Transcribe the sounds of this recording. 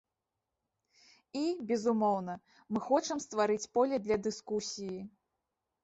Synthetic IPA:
ibʲɛzumɔwnɐ | mɨxɔt͡ʂɐmst̪vaɾɨt͡sʲpɔlʲɛd̪lʲɐd̪ɨskusʲiji

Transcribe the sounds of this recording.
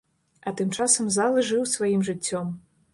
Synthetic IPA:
ɐt̪ɨmt͡ʂasɐmzalˠɨʐɨwsvajimʐɨt͡sʲːɔm

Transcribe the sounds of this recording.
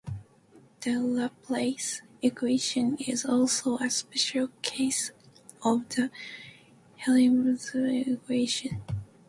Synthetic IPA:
ðɨləpʰleɪsɪkʰweɪʃɨ̃nɪzɔlˠsoʊɨspɛʃl̩ˠkʰeɪs | ʔʌvðɨ | hɛlimzkweɪʃɨ̃n

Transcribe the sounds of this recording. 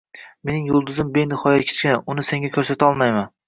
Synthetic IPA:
me̞nɪŋjolˠd̪ʊzɪmbejnɪχɒjakʲʰe̥t͡ʃkʲɪnaʔʊnɪse̞ŋɡʲakʲʰɵɾsat̪ʰaɒlˠmajman

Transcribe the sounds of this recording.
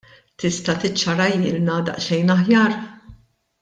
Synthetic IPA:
t̪ɪst̪ɐt̪ɪt͡ʃːɐɾɐjɪːlnɐd̪ɐ̰ʔʃɛjnɐħjɐːɾ

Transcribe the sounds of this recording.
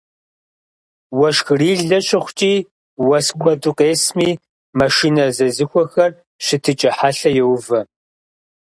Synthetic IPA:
wɐʃxriːɮɐɕʼɪχʷt͡ʃʼiː | wɐskʷʰʼɔdʼʊqʼeːsmiː | mɐʃiːnɐzɐzɨxʷɔxɐr | ɕɪtʰɨt͡ʃʼɐħaɬɐjɛwvɐ

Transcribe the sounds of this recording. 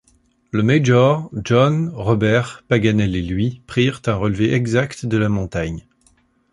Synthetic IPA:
ləmeʒɔʁʒɔnʁɔbɛʁpaɡanɛlelɥipχiʁt̪ɛ̃ʁəlveʔɛɡzakt̪d̪əlamɔ̃t̪aɲ

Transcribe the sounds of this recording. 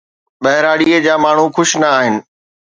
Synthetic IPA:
ɓɐɦɪɾaːɽied͡ʑaːmaːɳ̤ũxʊʃnɐaːɦɪnɪ̆

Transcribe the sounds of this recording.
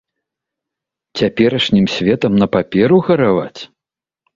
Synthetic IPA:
t͡sʲapʲɛɾɐʂnʲimsʲvʲɛt̪ɐmnɐpapʲɛɾuɣɐɾava̰t͡sʲ

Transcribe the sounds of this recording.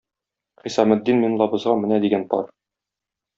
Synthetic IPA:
χisɑmæ̆d̪ːinminlˠɑbɤ̆zʁɑmɘ̆næd̪iɡænt̪ɒ̰ɾ

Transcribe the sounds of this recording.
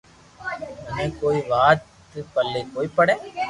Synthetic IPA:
ɐnẽːkoːiːʋaːt̪ | pɐlːeːkoːiːpɐɽeː

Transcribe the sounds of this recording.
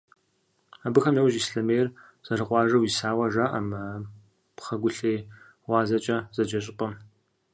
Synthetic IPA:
abɨxɐmjewʒisɬɐmejr | z̥ɐrɨqʼʷɑːʒɐwisaːwɐʒaʔa̰mɐ | pχɐɡʷʊɬeː | wɑːzɐt͡ʃʼɐz̥ɐd͡ʒɐɕ̬ʼɪpʼɐm

